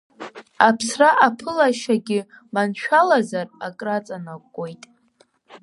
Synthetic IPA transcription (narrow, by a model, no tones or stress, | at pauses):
apʰsraʔapʰɨlaʃaɡʲɪ | manʃᶣalazarakʼrat͡sʼanakʷʼːojtʼ